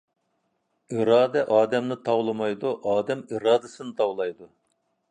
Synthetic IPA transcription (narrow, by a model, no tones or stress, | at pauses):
iɾɑːd̪ɛʔɑːd̪ɛmnɨt̪ʰɑwlˠɨmɑjd̪uʔɑːd̪ɛmiɾɑːd̪ɨsɨnɨt̪ʰɑwlˠɑjd̪u